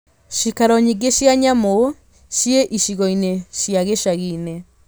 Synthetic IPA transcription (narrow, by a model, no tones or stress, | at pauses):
ʃikaɾɔɲiɡeʃjaɲamo | ʃjeʔiʃiɣɔineʃjaɣeʃaɣine